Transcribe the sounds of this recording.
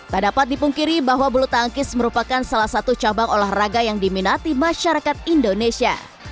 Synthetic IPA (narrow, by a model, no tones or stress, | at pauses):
t̪ərdapat̪̚dipuŋkiɾibaɦwabulut̪aŋkɪsməɾupakansalahsat̪ut͡ʃabaŋolɛhraɡajaŋdiminat̪imaʃaɾakat̪̚indonesia̰